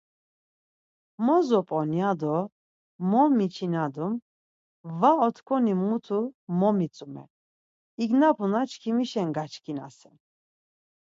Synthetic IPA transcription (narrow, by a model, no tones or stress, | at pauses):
mɔzɔpʼɔnjad̪ɔ | mɔmit͡ʃʰinad̪um | vaɔt̪ʰkʰʼɔnimut̪ʰumɔmit͡sʼumɛ̰ | iɡnapʰunat͡ʃʰkʰimiʃɛŋɡat͡ʃʰkʰina̰sɛn